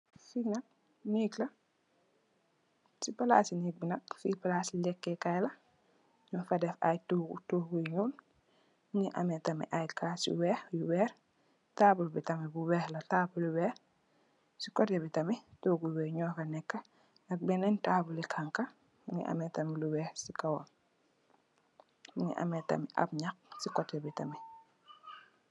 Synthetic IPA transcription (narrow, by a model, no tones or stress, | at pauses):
sinɐk̚ | niːklɐ | sipɐla̰ːsiniːk̚binɐk̚fipalaːsilɛkːɛkajlɐ | ɲɔfɐdɛfa̰jtutuɡujɲuːl | ŋiʔɐmɛtɐmḭʔajkʰaːsḭwɛːhjuwɛːɾ | taːbulbitɐmibuwɛhlɐtaːbuliwɛːɾ | sikɔtɛbitɐmitɔːɡujwɛːɲɔːkɐnɛkːɐ | nɐk̚bɛnɛntaːbulikʰaŋkɐ | uŋḭʔɐ̰mɛtɐmiluwɛːhsikɐwɔn | muŋḭʔɐ̰mɛtɐ̰miʔɐ̰b̚ɲɐk̚sikɔtɛbitɐmi